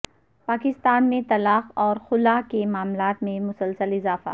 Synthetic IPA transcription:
paːkɪst̪aːnmẽt̪ɐlaːxɔːɾxʊlakemaːmlaːt̪mẽmʊsəlsəlɪzaːfa̰

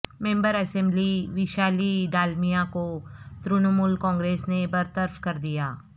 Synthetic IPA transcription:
mẽːmbəɾɐsɛ̃mbliʋɪʃaːliɖaːlmijakot̪ɾʊnəmulkɔ̃ːŋɡɾeːsnebɐɾt̪əɾfkɐɾd̪ijaː

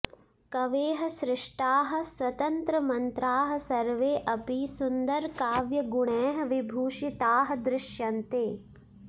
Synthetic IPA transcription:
kɐʋeːɦɐ̆sɾɪʂʈaːɦɐ̆swɐt̪ɐnt̪ɾɐmɐnt̪ɾaːɦɐ̆sɐɾʋeːʔɐpisund̪ɐɾkaːʋjɐɡuɳɛːɦɐ̆ʋibʱuːʂit̪aːɦɐ̆d̪ɾɪʃjɐnt̪eː

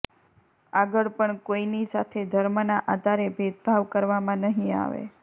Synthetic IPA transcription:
aɡəɭpəɳkoinisat̪ʰed̪ʱəɾmənaʔad̪aɾebʱed̪̚bʱaʋkəɾʋamãnəɦĩa̰ʋḛ

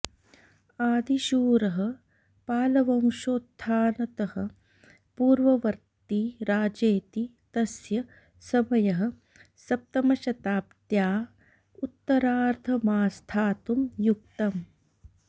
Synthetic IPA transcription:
aːd̪ʱiʃuːɾɐɦɐ̆ | paːlɐʋɐmʃoːt̪ʰːaːnɐt̪ɐhɐ̰̆ | puːɾʋɐʋɐɾt̪iɾaːd͡ʒeːt̪it̪ɐsjɐ | sɐmɐjɐɦɐ̆ | sɐp̚t̪ɐmɐʃɐt̪aːpt̪jaː | ut̪ːɐɾaːɾt̪ʰɐmaːst̪ʰaːt̪umjuk̚t̪ɐm

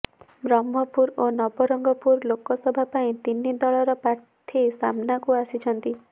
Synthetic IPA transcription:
bɾɔmʱɔpuɾonɔbɔɾɔŋɡɔpuɾlokɔsɔbʱapaĩt̪inid̪ɔɭɔɾɔpɾaɾt̪ʰisamnakuasit͡ʃʰɔnt̪i

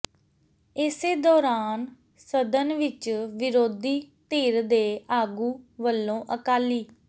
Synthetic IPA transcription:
ɪseːd̪ɔːɾaːn | səd̪ənʋɪt͡ʃʋɪɾoːd̪iːt̪iːɾd̪eːaːɡuːʋəlːõːʔəkaːliː

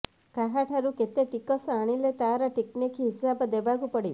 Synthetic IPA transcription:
kaɦaʈʰaɾuket̪eʈikɔsaɽ̃ilet̪aɾaʈiknikiɦisabed̪ebaɡupəɽi

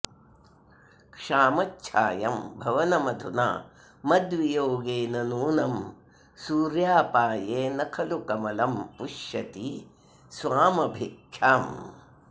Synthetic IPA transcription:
kʂaːmɐtːʃʰa̰ːjɐmbʱɐʋɐnɐmɐd̪ʱuna̰ː | mɐd̪ʋijoːɡeːnɐnuːnɐm | suːɾjaːpaːjeːnɐkʰɐlukɐmɐlɐmpuʂjɐt̪i | sʋaːmɐbʱekjaːm

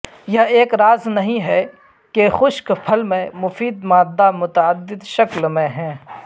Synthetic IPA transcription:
jɐɦeːkɾaːznɐɦĩɦɛ | kexʊʃkpʰɐlmẽmʊfiːd̪mãːd̪ːamʊt̪əəd̪ːɪd̪ʃɐklmẽɦɛ̃ː

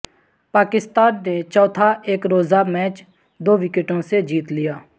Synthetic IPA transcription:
paːkɪst̪aːnːet͡ʃɔːt̪ʰaʔeːkɾoːzaːmɛːt͡ʃ | d̪oːʋɪkəʈõːsed͡ʒiːt̪lɪjaː

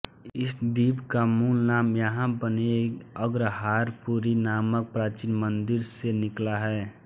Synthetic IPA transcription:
ɪsd̪ibkamuːlnaːmjəɦãbənekəɡɾəɦaːɾpuɾinaːmək̚pɾaːt͡ʃinmənd̪ɪɾsenɪklaɦɛː

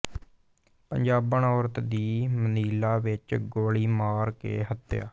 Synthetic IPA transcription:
pəɲd͡ʒaːbəɳɔːɾət̪d̪iːməniːlaːʋɪt͡ʃɡoːɭiːmaːɾkḛːɦət̪ːja̰ː

